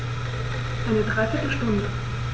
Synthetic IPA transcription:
ʔaɪnədʁaɪfɪtəʃtʊndə

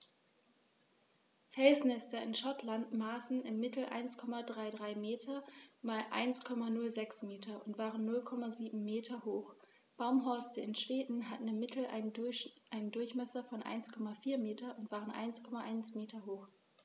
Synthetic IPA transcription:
fɛlsnɛstɐɪnʃɔtlantmaːsn̩ɪmːɪtl̩ʔa̰ɪnskʰɔmadʁaɪdʁaɪmeːtʰɐmaːlʔa̰ɪnskʰɔmanʊlzɛksmeːtʰɐʊntv̥aːʁənːʊlkʰɔmaziːbm̩meːtʰɐhoːx | b̥aʊmɦɔɐstəɪnʃv̥eːdn̩ɦatn̩ɪmːɪtʰl̩ | ʔaɪnəndʊɐçmɛsɐfɔnʔa̰ɪnskʰɔmafiːɐmeːtʰɐʊntv̥aːʁ̞ənʔa̰ɪnskʰɔmaʔaɪnsmeːtɐɦoːx

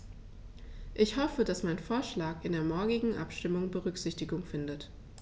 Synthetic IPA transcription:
ʔɪçhɔfəd̥asmaɪnfoːɐʃlaːkɪndeːɐmɔɐɡɪɡŋ̩ʔa̰pʃtɪmʊŋbəʁʏkz̥ɪçtɪɡʊŋfɪndət

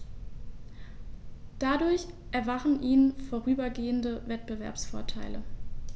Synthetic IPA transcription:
d̥adʊɐç | ʔɛɐvaχn̩ʔiːnnfoːʁ̞yːbɐɡeːəndəvɛt̚b̥əvɛ̰ɐpsfoːɐtʰa̰ɪlə̰

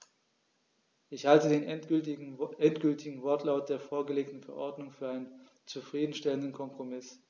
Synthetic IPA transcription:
ʔɪçhaltədeːnɛ | ɛntɡ̥ʏltʰɪɡŋ̩vɔɐtlaʊt̚d̥eːɐfoːɐɡəleːktn̩fɛɐʔɔɐdnʊŋfyːɐʔaɪnən | t͡sufʁ̥iːdn̩ʃtɛləndn̩kʰɔmpʁ̥omɪs

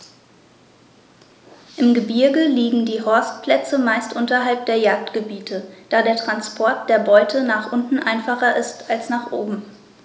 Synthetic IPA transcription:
ʔɪmɡəbɪɐɡəliːɡŋ̩diːɦɔɐst̚pʰl̥ɛt͡səmaɪstʔʊntɐɦalp̚d̥eːɐjaːk̚tɡ̥əbiːtʰəd̥aːdeːɐtʁ̥anspʰɔɐt̚d̥eːɐbɔʏtʰənaːχʔʊntn̩ʔaɪnfaχɐʔɪstalsnaːχʔoːbm̩

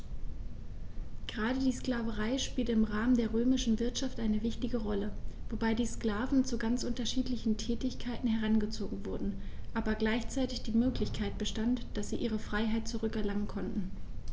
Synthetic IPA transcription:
ɡ̥əʁaːdədiːskl̥aːvəʁaɪʃpiːltəɪmʁaːməndeːɐʁøːmɪʃn̩vɪɐtʃaftʔaɪnəvɪçtɪɡəʁɔləvobaɪdiːsklaːvn̩t͡suɡant͡sʔʊntɐʃiːtlɪçn̩tʰɛːtɪçkʰaɪtn̩hɛʁ̞anɡət͡soːɡŋ̩vʊɐdn̩ʔaːbɐɡlaɪçt͡saɪtɪçd̥iːmøːklɪçkʰaɪt̚b̥əʃtantd̥asz̥iːʔiːʁ̞əfʁ̥aɪɦaɪt̚t͡suʁʏkɛɐlaŋənkʰɔntn̩

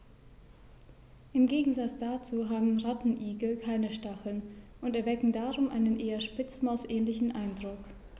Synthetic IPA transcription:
ʔɪmɡeːɡŋ̩zat͡sd̥at͡suːɦaːbm̩ʁatn̩ʔiːɡl̩kʰaɪnəʃtaχl̩nʔʊntɛɐvɛkŋ̩daːʁʊmʔa̰ɪnənʔeːɐʃpɪt͡smaʊsʔɛːnlɪçn̩ʔaɪndʁʊk

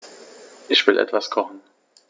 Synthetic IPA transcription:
ʔɪçv̥ɪlʔɛ̰tv̥askʰɔχn̩

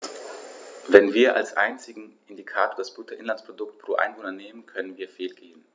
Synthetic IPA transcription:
vɛnviːɐʔa̰lsʔa̰ɪnt͡sɪɡŋ̩ʔɪndikʰaːtoːɐdasb̥uːtʰɐʔɪnlanspʁ̥odʊktpʁ̥oːʔa̰ɪnvoːnɐneːmənkʰœnənviːɐfeːlɡeːbm̩

